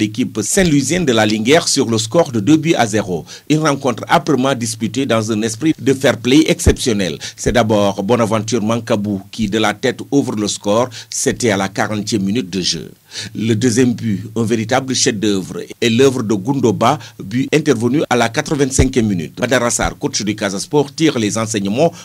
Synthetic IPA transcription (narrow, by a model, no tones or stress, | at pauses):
lekipsɛ̃nlwizjɛ̃nd̪əlaliŋɡɛʁsyʁləs̬kɔʁdədøbyʔa̰zeʁo | ynʁɑ̃kɔ̃t̪χa̰pɾəmɑ̃dis̬pytedɑ̃zɛ̃nɛspχidəfɛʁplɛɛksɛpsjɔnɛlsɛdabɔʁbɔnavɑ̃t̪̬yːʁmãŋkabukidəlatɛtuvrələskɔʁsɛtɛalakaʁɑ̃tjɛmminyt̚dəʒø̰ | lədəzjɛmbyɛ̃veɾitabləʃɛdøvreləvɾədəɡundobabyʔɛ̃ntɛʁvənyalakat̪ɾəvɛ̃ntsɛ̃ŋkjɛmːiny̰t̚badaɾasa̰rkuʃdykazaspɔʁtiːʁlezɑ̃s̬ɛɲəmɑ̃